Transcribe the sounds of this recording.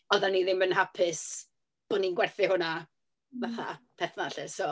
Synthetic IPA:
ɔðaniðɪmbənɦapʰɪs | b̥ɔninɡwɛrθɪhʊna | vaθa̰pʰɛrθnaɬɛsoː

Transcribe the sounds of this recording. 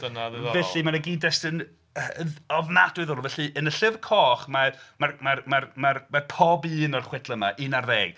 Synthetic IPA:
d̥ənaððvɛɬɨmanəɡiːdɛstɨn | əɔvnad̥wɨðɔrɔvɛɬɨʔənəɬɪvkʰɔːχmamarmarmarmarmapʰɔbɨːnɔrχwɛdlˠəma̰ʔɨnarvɛːɡ̥

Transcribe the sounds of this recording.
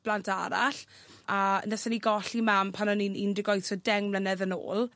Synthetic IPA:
b̥lantʰa̰ɾa̰ɬ | anəsaniɡɔɬimampʰanɔninindɪɡɔjθsɔdɛŋmlənɛðəno̰ːlˠ

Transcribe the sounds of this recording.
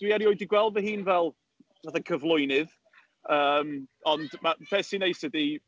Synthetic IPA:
d̥wiɛɾiɔɨdiɡwɛlˠvəɦiːnvɛlˠ | vaθakʰəvlˠʊjnɪð | əːmɔndmab̥ʰɛsinejsɛdi

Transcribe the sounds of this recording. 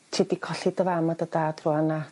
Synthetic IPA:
tʰedikʰɔɬidəvamadədaːdruana

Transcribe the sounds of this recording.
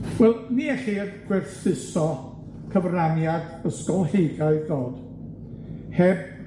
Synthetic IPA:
wɛlˠniːɛɬidɡʰwɛrθɪsɔ | kʰəvranjadəskɔlˠhejɡaɨðoːd̥ | hɛb̚

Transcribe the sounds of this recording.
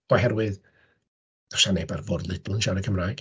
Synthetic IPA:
ɔhɛɾwɨð | ð̥ɔʃanejbarvɔdlˠɪdlʊnʃaɾəkʰəmraːjɡ̥

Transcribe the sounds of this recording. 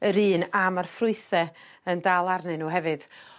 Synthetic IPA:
əɾiːnamarfrʊɨθɛ | əndaːlˠarnɨnuːɦɛvɨd̥

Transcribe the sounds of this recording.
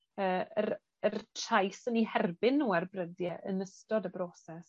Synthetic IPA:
əːəɾ | ərtʰrajsənihɛrbɪnːuɛrbrədjɛʔə̰nəstɔdəbrɔːsɛs

